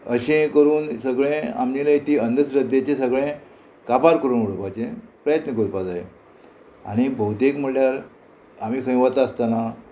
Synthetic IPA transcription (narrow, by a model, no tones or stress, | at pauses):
əɕẽkəɾuːnsəɡɭẽa̰md͡ʑinəit̪iːənd̪ʱəsɾəd̪ːet͡ɕẽsəɡɭẽ | kapaɾkəɾuːnuɽəpat͡ɕẽpɾəjət̪nəkəɾupad͡zaje | a̰ɽ̃ibəwut̪ekm̤əɽljaɾ | am̤iːkʰə̃j̃ʋat͡saəst̪ana